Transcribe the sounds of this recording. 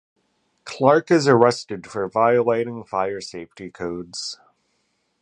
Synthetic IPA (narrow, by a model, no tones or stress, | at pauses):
kʰl̥ɑɹkɨzə˞ɛstɨd̥fə˞vaɪəleɪɾɪ̃ŋfaɪə˞seɪftikʰoʊdz̥